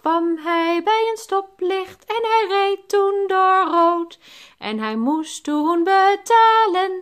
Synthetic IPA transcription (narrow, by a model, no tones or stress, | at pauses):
kʋɑmɦɛjbɛjənstɔplɪχtɛnɦɛjrejtːundʊɹrowt | ʔɛ̰nɦɛjmustunbətaːlən